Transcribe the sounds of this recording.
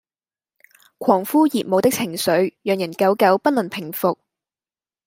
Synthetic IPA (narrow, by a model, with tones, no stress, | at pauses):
kʷʰɔː˨˩ŋfuː˥jiː˨p̚mo˨˧wt̪ɪ˥k̚t͡sʰɪ˨˩ŋsɵ˨˥ɥjœː˨ŋjɐ˨˩nkɐ˨˥wkɐ˨˥wpɐ˥t̚lɵ˨˩npʰɪ˨˩ŋfʊ˨k̚